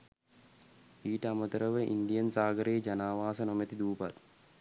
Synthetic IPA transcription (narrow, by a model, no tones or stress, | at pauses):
iːʈəamət̪əɾəʋəʔḭnɖijənsaːɡəɾeːd͡ʒanaːʋaːsənomet̪id̪uːpat̪̚